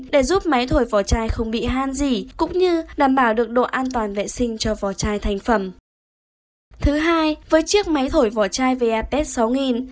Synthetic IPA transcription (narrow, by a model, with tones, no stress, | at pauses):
ɗe˧˩zu˦˥p̚ma˨˦jt̪ʰo˧˩jvɔ˧˩t͡ɕaː˧jxə˧wŋ͡mɓḭ˧˨ɦaː˧nzi˨˩kʊ̰˧˥ŋ͡mɲɨ˧ɗaː˧˩mɓaː˧˩wɗɨ˨˩ək̚ɗo̰˧˨ʔaː˧nt̪waː˨˩nvḛ˧˨sï˧ŋ̟t͡ɕɔ˧vɔ˧˩t͡ɕaː˧jt̪ʰa˨˩jŋ̟fə˧˩m | t̪ʰɨ˨˦ɦaː˧jvəː˨˦jt͡ɕɨ˦˥ək̚ma˨˦jt̪ʰo˧˩jvɔ˧˩t͡ɕaː˧jve˨˩ʔaː˧pɛ˦˥t̚sa˨˦wŋi˨˩n